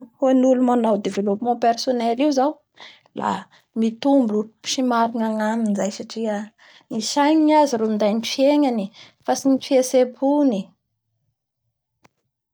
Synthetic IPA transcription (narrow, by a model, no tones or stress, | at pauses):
honulumanawd̪evelopimɑ̃personɛliwzaw | la̰ | mit̪umbu̥ʃimaɾinaŋaminizajsaʈ͡ʂia | niʃajniaziɾomind̪ajnifieɲani | fasinifiasebuni